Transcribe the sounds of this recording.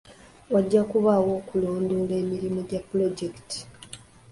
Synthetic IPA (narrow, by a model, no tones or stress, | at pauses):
waɟːakuβawo̞ːkulo̞ːndole̞ːmiɾimuɟapːulo̞ɟekti̥